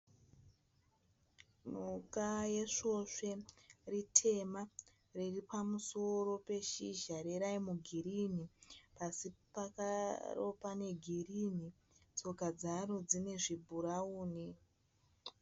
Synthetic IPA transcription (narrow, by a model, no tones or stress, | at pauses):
mukajeʂo̞ʂe̞ritʰe̞ma | riripamuso̞ɾo̞pe̞ʃiʒaɾeɾaimuɡʱiɾinipasipakaro̰pane̞ɡʱirini | t͡so̞kad͡zaɾo̞d͡zine̞ʐibʱuɾauːni